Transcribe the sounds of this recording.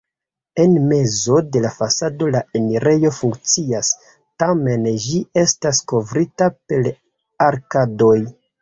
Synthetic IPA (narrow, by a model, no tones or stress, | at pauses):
e̞nme̞zo̞de̞lafasado̞lae̞niɾe̞jo̞fuŋkt͡sias | tame̞nd͡ʒie̞stasko̞vɾitape̞l | aɾkado̞j